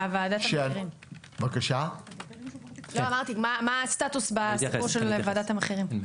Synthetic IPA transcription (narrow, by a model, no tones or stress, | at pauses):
avaːd̪amʃeʁim | vakaʃa | loamaʁt̪imamast̪at̪usbasipuʃelvaːd̪at̪amaχeʁim